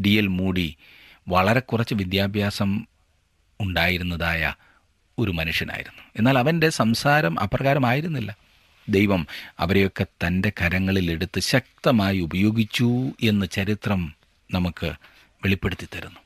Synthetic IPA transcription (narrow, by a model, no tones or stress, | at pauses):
ɖijɐlmuːɽi | ʋɐɭɐɾe̞kurɐt͡ɕːɨʋid̪jaːbʱjaːsɐm | uɳɖaːjiɾunːɐðaːjɐ̰ | o̞ɾumɐnuʂjɐnʔa̰ːjḭɾunːue̞nːaːlɐʋɐnde̞sɐmsaːɾɐmʔɐ̰pːrɐɣaːɾɐmaːjiɾunːilːɐ | d̪e̞jʋɐmɐ̰ʋɐɾejo̞kːe̞t̪ɐnde̞kʰɐɾɐŋːɐɭile̞ɽut̪ːɨɕɐk̚t̪ɐmaːjiubɐjo̞ːɡit͡ɕːue̞nːɨt͡ɕɐɾit̪rɐm | nɐmukːɨ̰ | ʋe̞ɭipːe̞ɽut̪ːit̪ːɐɾunːu